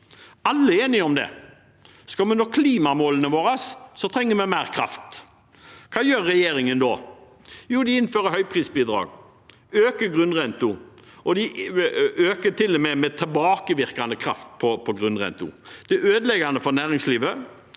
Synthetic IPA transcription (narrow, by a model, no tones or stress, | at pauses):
ɑlːəeːnɪɔmd̪ɛ̰ | skɑlmɛnɔkʰliːmɑmoːlənəʋoːɾɑssɔt̪ʰɾɛŋːəmɛmæɪɾkʰɾɑ̰ft̪ | kʰɑːjøːɾːɛjeːɾɪŋənd̪ɔ | juːd̪ɪɪnføːɾəhœʏpʰɾiːsbiːd̪ɾɑ̰ːɡ | øːkəɡɾʉnʁɛnt̪ʊʔɔd̪ɪ | øːkət̪ʰɪlːɔmɛmɛt̪ʰɛlbɑːkəʋɪɾkɑnəkʰɾɑft̪̚pʰɔpʰɔɡɾʉnʁɛ̰nt̪ʊ̰d̪̥ɛøːd̪əlɛɡɑnəfɔɾnæːɾɪŋsliːʋə